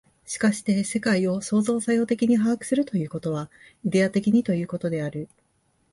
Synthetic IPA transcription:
ɕi̥kaɕi̥t̪e̞se̞kaio̞so̞ːzo̞ːsajo̞ːt̪e̞kʲiɲ̟iɦakɯ̟̥sɨɾɯ̟t̪o̞jɯ̟ːko̞t̪o̞β̞a | id̪e̞at̪e̞kʲiɲ̟it̪o̞jɯ̟ːko̞t̪o̞d̪e̞aɾɯ̟

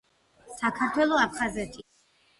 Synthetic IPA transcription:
sakʰaɾt̪ʰwɛlˠɔap̚ʰχazɛt̪ʰi

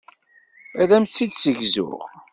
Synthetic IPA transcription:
æðæmt͡sːid̪səʝzʊ̰ʁ

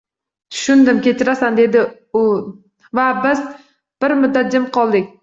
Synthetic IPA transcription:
t̪ʰʊ̥ʃʊnd̪ɪmkʲe̞t͡ʃʰɪɾasand̪e̞d̪ɪ | ʊ | vabɪz | b̥ɪɾmʊd̪ːat̪̚d͡ʒɪmqʰɒlˠd̪ɪkʲ

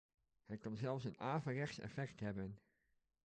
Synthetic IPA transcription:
hɛjkɑnzɛlˠfs̬ənaːvərɛχtsɛ̰fɛktɦɛbən

